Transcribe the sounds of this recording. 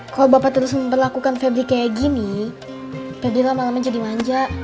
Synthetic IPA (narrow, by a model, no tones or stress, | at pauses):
kalobapat̪əɾʊsməmpərlakukanfɛbɾikajaɡini | pabilamalamad͡ʒadimaɲd͡ʒaʔ